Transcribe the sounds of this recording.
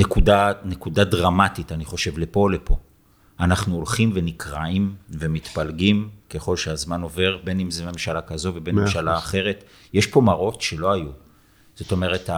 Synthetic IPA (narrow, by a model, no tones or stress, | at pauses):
nekudanekudadʁamatitaniχo̞ʃe̞vlepo̞lepo̞ | anaχnuolχimve̞nikʁaimvemit̪palɡimkeχo̞lʃeazmano̞ve̞ʁbe̞nimzeme̞mʃalakazo̞ve̞benmemʃalaːχe̞ʁe̞t | jeʃpo̞maʁo̞tʃe̞lo̞aju | z̥o̞to̞me̞ʁe̞ta